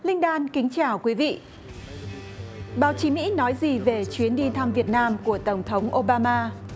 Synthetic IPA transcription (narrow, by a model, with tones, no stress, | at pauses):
lï˧ŋ̟ɗaː˧nkï˨˦ŋ̟t͡ɕaː˧˩wkwi˨˦vḭ˧˨ʔ | ɓaː˨˦wt͡ɕi˨˦mḭ˧˥nɔ˨˦jzi˨˩ve˨˩t͡ɕwi˨˦ənɗi˧nt̪ʰa˧mvi˨˩ət̚naː˧mku˧˩ət̪ə˧˩wŋ͡mt̪ʰə˨˦wŋ͡mʔo˧ɓaː˧maː˧